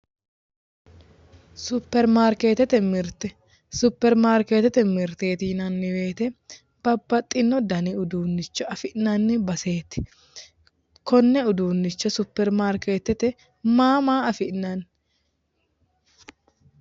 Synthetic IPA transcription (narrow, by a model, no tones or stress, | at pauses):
sʊpːɛɾmaːɾkeːt̪ɛt̪ɛmɪɾt̪ɛ | sʊpːɛɾmaːɾkeːt̪ɛt̪ɛmɪɾt̪eːt̪iːnɐnːɪwe̞ːt̪ɛ | b̥ɐbːɐt̪ʼːɪnːɔd̪ɐniʊd̪uːnːɪt͡ʃːɔɐfɪʔnɐnːɪbɐse̞ːt̪ɪ̥ | kɔnːɛʊd̪uːnːɪt͡ʃːɔsʊpːɛɾmaːɾkeːt̪ɛt̪ɛ | maːmaːɐfɪʔnɐn